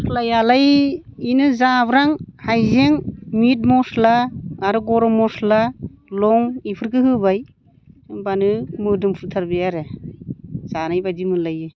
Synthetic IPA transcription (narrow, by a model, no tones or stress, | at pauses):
lajalajinɯzabɾaŋhajzeŋmit̚mɔslaaɾɯɡɔɾɔmɔslalɔŋipʰɯɾɡɯɦɯbaj | banɯmɯdɯmpʰɯtʰaɾbeaɾe | zanajbadimɯlajɯ